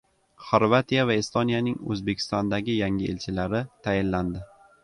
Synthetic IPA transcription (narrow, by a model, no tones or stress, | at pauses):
χoɾvat̪ʰijavaest̪onijanɪŋɵ̰zbe̞kʲʰɪ̥st̪ɒnd̪aɡʲɪjaŋɪelt͡ʃʰɪlaɾɪt̪ʰajɪnland̪ɪ